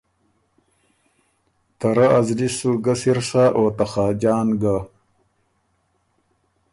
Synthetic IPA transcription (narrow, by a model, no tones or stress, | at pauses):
t̪ɐɾaazlisuɡɐsiɾʂaʔoːt̪axaːd͡ʑaːnɡa